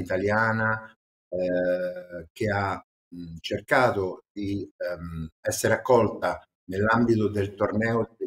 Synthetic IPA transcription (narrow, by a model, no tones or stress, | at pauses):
it̪aljaːna | k̟ea | t͡ʃerkaːt̪od̪i | ɛsːeɾakːɔlt̪a | nelːambit̪od̪elt̪ornɛːo